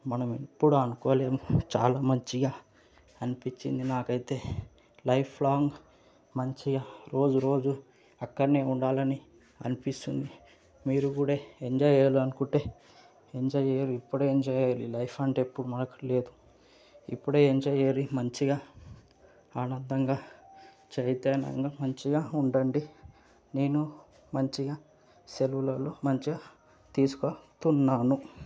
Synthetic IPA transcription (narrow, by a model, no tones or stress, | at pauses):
mɐnɐmipːuɽuɐnukɔːleːmut͡ʃa̰ːlaːmɐɲt͡ʃiɡaː | ɐnipit͡ʃːḭnd̪inaːkɐjit̪e̞ː | lɐjpʰlaːŋɡ | mɐɲt͡ʃiɡaːɾo̞ːd͡ʒuɾo̞ːd͡ʒu | ɐkːɐɾneːuɳɖaːlɐni | ɐ̰nipist̪und̪i | miːɾuɡuːɽaeɲd͡ʒaːjɐɾluɐnukuɳʈe̞ː | eɲd͡ʒɐːjɐɾuipːuɽeːeɲd͡ʒaːjɐlilɐjfɐɳʈːpːuɽumɐɐkɐle̞ːd̪u | ḭpːuɽeːeɲd͡ʒɐːjɐɾimɐɲt͡ʃiɡaː | aːnɐnd̪ɐŋɡaː | t͡ʃejɐt̪eːnɐ̰ŋɡamɐɲt͡ʃiɡaːuɳɖɐɳɖi | ne̞ːnu | mɐɲt͡ʃiɡaː | selwulɐloːmɐɲt͡ʃiɡaː | t̪iːsu̥kot̪unːaːnu